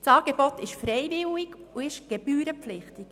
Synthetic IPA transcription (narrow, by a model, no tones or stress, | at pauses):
t͡sɑːɡ̥eb̥ɔtɪʃfɾɛjvɪwiɡuɪʃɡ̥ɛb̥yːɾəpflɪχtɪk